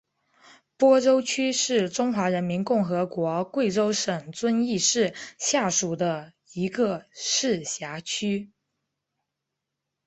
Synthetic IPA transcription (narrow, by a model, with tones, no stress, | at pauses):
pwɔ˥ʈ͡ʂo˥ʊt͡ɕʰy˥ʂɻ̩˥˩ʈ͡ʂʊ˥ŋxwa˧˥ɻə˧˥nmi˧˥nkʊ˥˩ŋxɤ˧˥kwɔ˧˥kwe˥˩ɪʈ͡ʂo˥ʊʂə˨˩ŋt͡swə˥ni˥˧ʂɻ̩˥˧ɕja˥˩ʂu˨˩d̪ə˦ | i˧˥ɡə˧ʂɻ̩˥˩ɕja˧˥t͡ɕʰy˥